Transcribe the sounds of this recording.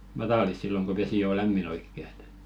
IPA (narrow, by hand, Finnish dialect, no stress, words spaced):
mɑtɑlis silːoŋ ɡ̊o ʋesi oˑ læmːin oikːe e̥t